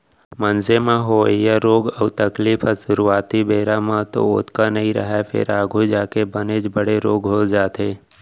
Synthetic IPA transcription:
mənzemãɦojaɾoːɡəʊt̪əkliːfəʃʊɾuaːt̪ibeːɾamãt̪o̰ʊt̪kanɐɦĩɾə̰ɦɛpʰɪ̰ɾaːɡʱud͡ʒaːkebəned͡ʒbəɽeɾoːɡɦod͡ʒaːt̪eː

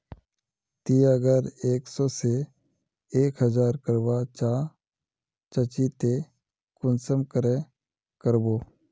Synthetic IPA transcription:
t̪iːəɡəɾeːksɔːse | eːkɦəd͡ʒaːɾkəɾwaːt͡ʃaː | t͡ʃət͡ʃit̪e | kʊnsəmkəɾẽ | kəɾboː

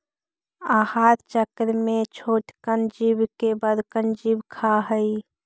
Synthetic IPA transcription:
ahat̪t͡ʃəkɾmet͡ʃʰoʈkənd͡ʒibkebəd̪kənd͡ʒibkʰaɦəj

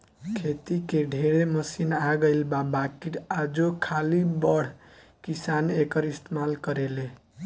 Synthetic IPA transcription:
kʰet̪ikeɖʱeɽeməsinaɡəɪlbabakiʈad͡ʒokʰalibʌɽ̤ | kisanekʌɾist̪ʰemalkʌɾele

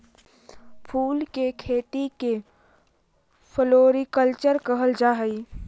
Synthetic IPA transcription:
pʰuːlkekʰeːt̪ike | pʰəloːɾikəlt͡ʃəɾkəɦəld͡ʒaːɦəi

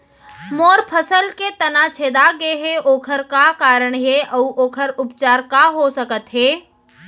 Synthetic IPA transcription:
moːɾpʰəsəlket̪ɐnat͡ʃʰeːd̪aɡeɦeʔoːkʰəɾkakaːɾəɳ̃ɦeʔɐuʔoːkʰəɾʊpt͡ʃaːɾkaɦosəkət̪ɦeː

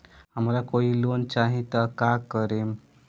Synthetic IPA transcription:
ɦam̤alakoiːlont͡ɕaɦĩt̪əkakəɾem

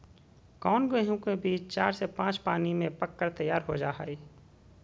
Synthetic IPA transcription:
kɔːnɡeɦũkebiːt͡ʃt͡ʃaːɾsepãːt͡ʃpaːnimẽpəkːəɾt̪əjːaːɾɦod͡ʒaːɦa̰ːi

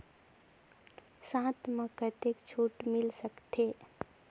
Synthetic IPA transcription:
sãt̪mə̃kət̪ekt͡ʃʰuʈmilsəkt̪ʰe

